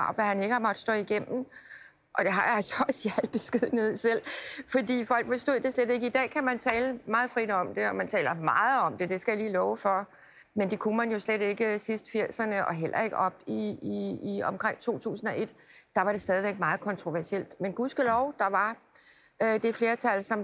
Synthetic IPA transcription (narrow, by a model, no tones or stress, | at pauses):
ɒʋæɦæne̝ɡ̥əhɑmɒd̥sd̥ɒiɡ̥em̰mn̩ | ʔɒ̽d̥e̝ɦɑ̈jælsɒɒsjælb̥e̝sɡ̥eð̰ˠneðˠsel̰fɒ̽d̥ḭːfɒ̽l̰ɡ̥fɒ̽sd̥o̝ð̰ˠd̥e̝slede̝ɡ̥əid̥ɛ̰ːkʰæmænt͡sʰɛːləmɑ̈ːð̞̩ˠfʁid̥ɒ̽md̥e̝ɒ̽mænt͡sʰɛ̰ːlɐmɑ̈ːð̩ˠɒ̽md̥e̝d̥e̝sɡ̥æjaliːlɒːʊəfɒ̽ | mend̥e̝kʰumænjo̝sleɾ̥e̝ɡ̥əsisd̥fiɐ̰sɐnəʔɒ̽ɦel̰ʔɐ̰e̝ɡ̥əʔɒ̽b̥i | ɒ̰mkʰʁeŋ̰t͡sʰo̝̰ːt͡sʰṵːsn̩ɒ̽ʔe̝d̥d̥ɑ̈ʋɑ̈ɾ̥e̝sd̥ɛːðˠiʋeɡ̥mɑ̈ːð̞̩ˠkʰɒ̽nt͡sʰʁo̝ʋæɐsel̰d̥menɡ̥usɡ̥əlɒʊd̥ɑ̈ʋɑ̈ | d̥e̝fle̝ːɐt͡sʰælsɒ̽m